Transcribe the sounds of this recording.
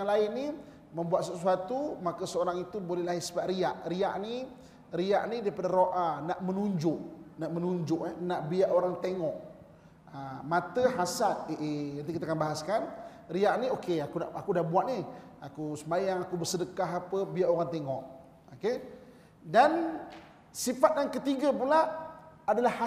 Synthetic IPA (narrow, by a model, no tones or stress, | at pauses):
aŋlaɪnːi | mə̃mbuat̪̚səsuat̪umakəsəoɾaŋit̪ubolɛhlahisəbaʔɾiaʔɾiaʔni | ria̰ʔnidaɾipadaɾoʔanaʔmənuɲd͡ʒʊʔnaʔmənuɲd͡ʒʊʔanaʔbiaʔoɾaŋt̪eŋɔʔ | amat̪əɦasat̪̚eʔenant̪ikit̪akanbaɦaskan | riaʔniokeakunaʔakudahbuaʔ̪̚ni | akusəmajaŋakubərsədəkaɦapəbiaʔoɾaŋt̪eŋɔʔ | oke | dan | sifat̪̚jaŋkət̪iɡapulaː | dalaha